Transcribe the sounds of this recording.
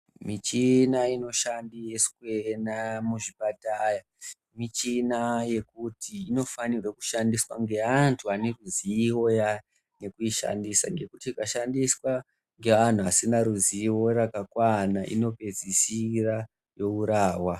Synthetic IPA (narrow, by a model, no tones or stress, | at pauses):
mit͡ʃinaino̞ʃandijeskwe̞namuʐipataːja | mit͡ʃinaje̞kutiino̞fanirweku̥ʃandiswaŋɡe̞antʰuane̞ruziːwo̞ja | ne̞kuiʃa̰ndisa̰ŋɡe̞kutiːkaʃandiswa | ŋɡe̞an̤uasinaɾuziio̞rakakwanaʔḭno̞pe̞d͡zisira | jo̞uɾaːwa